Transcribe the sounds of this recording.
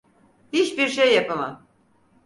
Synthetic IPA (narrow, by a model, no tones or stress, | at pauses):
hit͡ʃbiɾʃejːapama